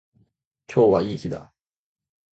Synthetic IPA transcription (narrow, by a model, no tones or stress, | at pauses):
t͡ɕʰowaiɕʰida̰